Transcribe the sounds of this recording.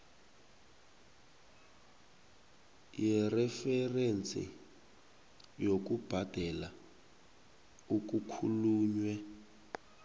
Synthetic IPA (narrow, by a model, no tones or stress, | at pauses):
jɛrɛfɛrent͡sʰʼḭ | jok̬ub̥ʱad̥ʱɛla | ukukʰuluːɲwɛ